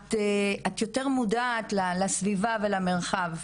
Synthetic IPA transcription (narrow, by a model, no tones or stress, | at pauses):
teat̪jo̞teʁmudaːtlalasvivavelameʁχav